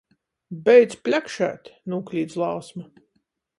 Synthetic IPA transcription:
bɛjd̪spʲlʲakʃæ̰ːt̪ʲnuːklʲiːd̪slˠɑwsma

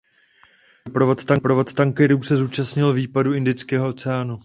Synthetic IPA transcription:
pɾovo̞t̪t̪aŋpɾovo̞t̪t̪aŋkɛɾuːsɛzuːt͡ʃasɲɪlviːpaduɪndɪt͡skɛːɦoot͡sɛaːnu

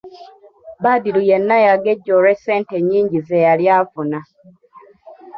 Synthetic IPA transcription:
badilujenːajaɡeɟːoɾeseːnteɲːiːɲɟizejaljaːvuna

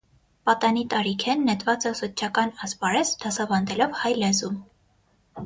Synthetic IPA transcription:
pɑt̪ɑnit̪ɑɾikʰɛnːɛt̪vɑt͡səsɔt͡ʃʰɑkɑnɑspɑɾɛt͡sd̪̥ɑsɑvɑnd̪ɛlɔvhɑjlɛzum

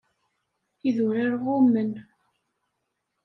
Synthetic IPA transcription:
iðʊɾaɾʁʊmːən

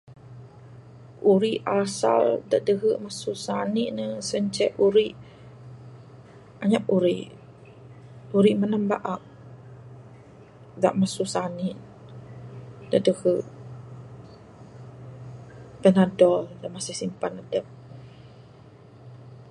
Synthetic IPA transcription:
ʔuɾiʔasa̰ldaʔdəɦəʔmasusaniʔnəsəɲt͡ʃɛʔuɾiʔ | aɲapuɾiʔ | uɾiʔmənambaʔak̚ | da̰ʔmasusaniʔ | daʔdəhəʔ | pənadɔldaʔmasisimpanadəp̚

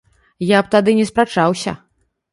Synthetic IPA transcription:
jap̚t̪ad̪ɨnʲɛspɾat͡ʂawsʲɐ̰

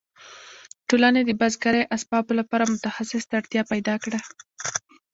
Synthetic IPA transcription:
ʈolaned̪əbazɡaɾajʔaspɑbolapɑɾamʊt̪axasɪst̪aɽt̪jɑpajd̪ɑkɽa

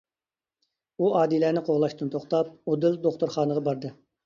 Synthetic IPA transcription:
uɑːd̪ilæːnɪqʰoʁlˠɑʃt̪ɨnt̪ʰoχt̪ɑp̚od̪ɪld̪oχt̪uɾχɑːnəʁɑbɑɾd̪ɨ

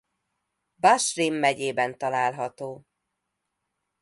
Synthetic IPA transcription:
baʃrimːɛɟeːbɛnt̪ɒlaːlɦɒt̪oː

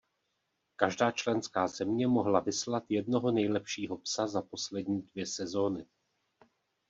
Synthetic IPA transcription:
kaʒdaːt͡ʃlɛnskaːzɛmɲɛmo̞ɦlavɪslat̪jɛd̚no̞ɦo̞nɛjlɛpʃiːɦo̞psazapo̞slɛdɲiːdvjɛsɛzo̞ːnɪ

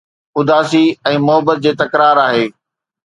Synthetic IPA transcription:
ʊd̪ʱaːsiɛ̃ːmʊɦəbət̪̚d͡ʑeːt̪ɐkɾaːɾaːɦeː

